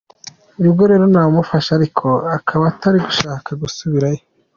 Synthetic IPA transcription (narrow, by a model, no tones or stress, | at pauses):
iɾubɡo̞ɾe̞ːɾo̞nawomufaʃaɾikʰo̞akʰaβaːtʰaɾiɡuʃaːkʰaɡusuβiɾajo